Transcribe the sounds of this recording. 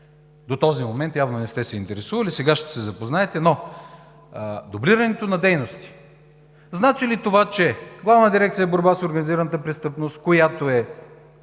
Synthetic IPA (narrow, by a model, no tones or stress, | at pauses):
d̪ot̪ɔzimomɛnt̪javnonɛst̪ɛsɛint̪ɛɾɛsuvɐlisɛɡaʃt̪ɛ̥sɛzɐpoznaɛt̪ɛno | d̪obliɾɐnɛt̪onɐd̪ɛjnost̪i̥ | znat͡ʃilit̪ovat͡ʃɛɡlˠavnəd̪iɾɛk̚t̪sijəɛboɾbasoɾɡɐniziɾənət̪əpɾɛst̪ɤpnost̪kojat̪oɛ